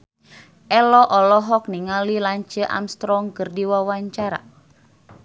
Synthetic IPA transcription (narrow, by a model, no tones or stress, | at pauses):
ʔɛlɔʔɔlɔɦɔk̚niŋalilaɲt͡ʃəʔa̰mst̪ɾɔŋkərdiwawaɲt͡ʃaɾa̰